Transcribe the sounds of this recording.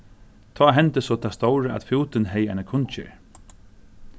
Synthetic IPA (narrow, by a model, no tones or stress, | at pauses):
t̪ʰɔːɦɛnt̪əsɔt̪ʰast̪owɾaʔæ̰t̪fjuːt̪ɪnɦɛjaɪnakʰʊnt͡ʃɪ̰ɹ